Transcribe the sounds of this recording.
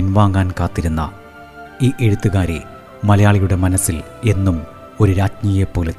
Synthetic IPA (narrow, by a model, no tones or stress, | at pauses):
inʋaːŋːaːnkaːt̪ːiɾunːɐ̰ | iːʔeɻut̪ːuɣaːɾe | mɐlɐjaːɭijuɽe̞mɐnɐsːil | e̞nːum | o̞ɾuɾaːd͡ʑnijepːo̞ːlet̪ː